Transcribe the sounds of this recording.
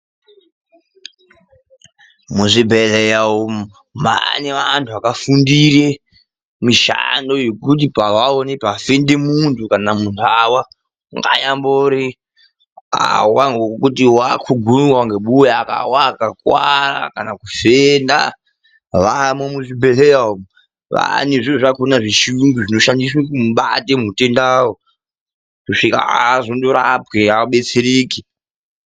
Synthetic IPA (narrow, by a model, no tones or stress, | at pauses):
muʐibʱeɮejao | ma̰neʋantʰuakafundiɾe | miʃa̰ndo̞jokut̬ipaʋaonepafendemuntʰukanamundʰawa | ŋɡa̰jamboɾi | a̰waŋɡokutiwakʰuɡʱunwaŋɡeɓujaːka̰wakakwaɾa̰kanakufenda | ʋamwemuʐibʱeleam | ʋa̰neʐiʐakonaʐiʃiuŋɡuʐino̞ʃandis̬wekumuɓa̰temute̞ndawo | kuʂika̰aːzo̞ndo̞ɾapweaɓe̞t͡seɾiːki